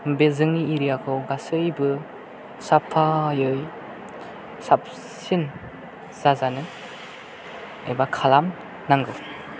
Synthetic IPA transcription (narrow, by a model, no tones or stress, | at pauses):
bezɯŋniːɾijakʰɯwɡasɯjbɯ | sapʰːajɯj | sap̚ | sin | z̥azanɯ | ejbakʰalam | naŋɡɯw